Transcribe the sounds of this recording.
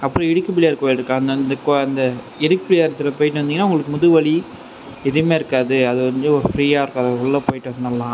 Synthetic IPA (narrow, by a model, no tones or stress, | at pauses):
ɐpːɐɾĩɪɽɯkːɯpɪɭɪjaːɾkoːjlɾɯkːãːɐnd̪ɐɐnd̪ɯkoɐnd̪ɐ | ɪɽɯkːɯpɪɭɪjaːɾɐt̪ːɪlɐpoːjɪʈːɯʋɐnd̪iŋɡɐnːaːʊŋɡɐɭɯkːɯmʊðɯʋɐɭi | ɛðɯɾmeːɪɾɯkːaːðɯɐðɯkɐɲd͡ʒɯɔɾɯfɾiːaːɪɾɯkːaɐðɐɔɭːɐpoːjɪʈːɯʋɐnd̪ɐlːãː